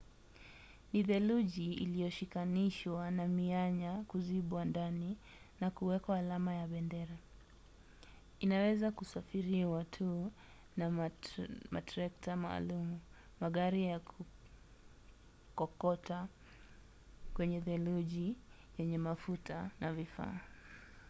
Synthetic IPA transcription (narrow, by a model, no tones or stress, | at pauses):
niðɛluʄiḭlijɔʃikaniʃwanamiaɲakuziɓwandani | nakuwɛkaːlamajaɓɛndɛɾa | inawɛzakusafiɾiwatʰu | na | ma̰tɾɛktama̰ːlumu | maɠaɾijakʰu | kɔkɔtʰa | kwɛɲɛðɛluʄi | jɛɲɛmafutanavifa̰ː